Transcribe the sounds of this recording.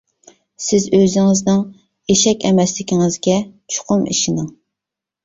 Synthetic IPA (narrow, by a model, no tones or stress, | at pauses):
sɪzøzɪŋɪznɨŋ | eʃɛkʲɛmɛslɪkʲiŋɪzɡʲɛt͡ʃʰʊ̥qʊmḭʃinɨŋ